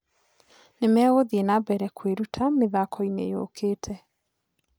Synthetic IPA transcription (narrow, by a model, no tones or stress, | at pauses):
nemɛoðienabɛɾɛkʰweɾutʰameðakʰɔinḛjo̰ːkʰeːtʰɛ